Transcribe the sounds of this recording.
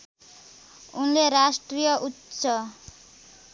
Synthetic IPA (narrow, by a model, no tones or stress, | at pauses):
unleɾasʈɾijʌʔutːsʌ